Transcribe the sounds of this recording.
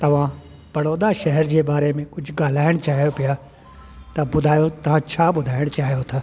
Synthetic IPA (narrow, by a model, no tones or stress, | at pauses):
t̪ɐʋ̤ã | pɐɽoːɗ̪aʃɐɦɛɾd͡ʑeːbaːɾemẽkʊd͡ʑʱʊɡaːl̤aːɪɽ̃t͡ɕaːɦijopija | t̪ɐbʊd̪ʱaːjot̪ɐʋ̤ãt͡ɕʰaːbʊd̪ʱaːɪɽ̃t͡ɕaːɦijot̪ʰaː